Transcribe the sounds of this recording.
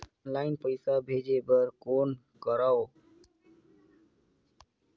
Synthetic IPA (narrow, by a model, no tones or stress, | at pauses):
nlaɪnpəjsabʱed͡ʒebəɾkon | kəɾao